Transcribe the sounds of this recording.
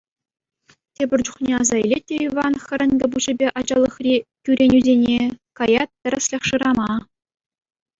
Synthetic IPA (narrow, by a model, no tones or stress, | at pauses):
tʲebʲɘ̆rʲt͡ɕuχnʲeɑzɑilʲet̚ʲːeivɑnχʲɘ̆ɾʲɘ̆nɡʲɘ̆buʑɘ̆bʲeʔɑd͡ʑɑlˠːɤ̆χrʲikʲyɾʲenʲyzʲenʲekɑjɑt̪̚tʲɘ̆rʲɘ̆sʲlʲeχʂɯɾɑmɑ